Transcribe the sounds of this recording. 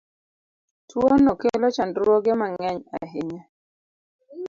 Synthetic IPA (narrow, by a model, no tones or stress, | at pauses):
twonokelɔt͡ʃandwɔɡɪmaŋɛɲa̰ɦɪɲɛ